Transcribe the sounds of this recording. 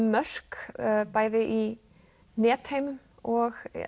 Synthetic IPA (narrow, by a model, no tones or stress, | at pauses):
mœr̥kːpaːjðɪʔi | nɛːt̪hejm | ɔɣ